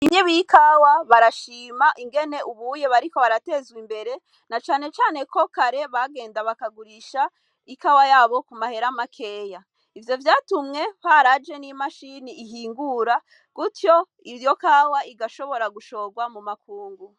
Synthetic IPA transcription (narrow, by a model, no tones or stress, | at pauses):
imɲeβijikawaβaɾaʃiːmaʔiŋɡe̞ne̞ʔuβuje̞βaɾiko̞βaɾate̞ːzɡwimbe̞ɾe̞ | nat͡ʃaːne̞t͡ʃaːne̞kʰo̞kaɾe̞βaɡe̞ːndaβakaɡuɾiʃa | ikawajaːβo̞kumahe̞ɾamakʰe̞ja | ivjo̞vjaːtumŋe̞haɾad͡ʒe̞nimaʃiniːɦiːŋɡuɾa | ɡ̥utjo | ijo̞kaːwaʔiɡaʃo̞βo̞ɾaɡuʃo̞ɡwamumakuːŋɡu